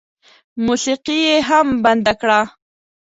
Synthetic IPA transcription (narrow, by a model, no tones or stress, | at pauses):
musiqijeɦamband̪akɽa